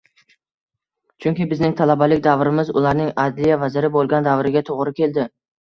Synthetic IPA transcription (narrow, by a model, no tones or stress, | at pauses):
t͡ʃʰʊŋkʲɪbɪznɪŋt̪ʰalabalɪkʲd̪avɾɪmɪzʊ̰laɾnɪŋad̪lijavazɪɾɪbolˠɡʲand̪avɾɪɡʲat̪ʰoʁɾɪkʲʰe̞ld̪ɪ